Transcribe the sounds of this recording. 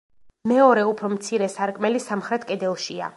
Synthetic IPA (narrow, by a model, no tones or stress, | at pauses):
mɛɔɾɛupʰɾɔmt̪sʰiɾɛsaɾkʼmɛlisamχɾɛt̪ʰkʼɛd̪ɛlˠʃia̰